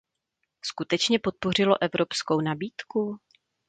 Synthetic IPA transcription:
skut̪ɛt͡ʃɲɛpot̪̚po̞r̝ɪlo̞ʔɛvɾo̞pskownabiːt̪ku

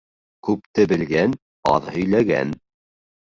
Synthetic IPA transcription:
kʉp̚t̪ɘbɘ̆lɡæn | ɑ̰ðhɵ̆jlæɡæ̰n

